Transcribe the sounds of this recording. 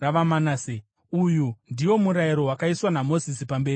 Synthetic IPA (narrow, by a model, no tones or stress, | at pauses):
raʋamanase | ujundiwo̞muɾaiɾo̞ɦwakaiswanamo̞zisipambe̞ːri